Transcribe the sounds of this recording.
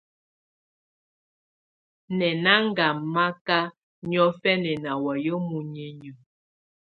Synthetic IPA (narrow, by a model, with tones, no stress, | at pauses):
nɛ˨na˦ŋ˦ɡa˨ma˦ka˦ | ɲɔ˦fɛ˦nɛ˨na˨wɔ˨jə˦mu˨ɲe˨ɲə˨